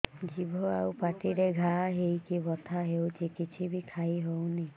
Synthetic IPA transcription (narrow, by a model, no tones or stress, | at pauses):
d͡ʒibʱɔawpatiɾeɡʱaɦejkibʱɔt̪ʰaɦewt͡ʃikit͡ʃʰibikʰajɦowni